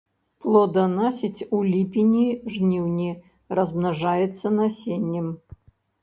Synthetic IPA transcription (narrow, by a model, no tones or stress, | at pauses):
plˠɔd̪ɐnasʲit͡sʲulʲipʲinʲiʐnʲiwnʲi | rɐzmnaʐajɛt̪sːɐnasʲenʲːɛm